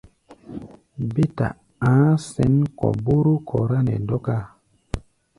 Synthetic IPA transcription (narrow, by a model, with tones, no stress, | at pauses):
be˦ta̰˨ | ã˨˦sɛ˨˦nkɔ̰˨bu˦ɾu˦kʰɔ˨ɾa˦nɛ̰˨dɔ˦ka˦˨